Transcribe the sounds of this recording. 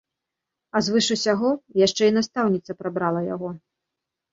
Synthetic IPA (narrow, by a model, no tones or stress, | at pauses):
ɐzvɨʂɨsʲaɣɔjaʂt͡ʂɛinast̪awnʲit̪sɐpɾabɾalˠɐja̰ɣɔ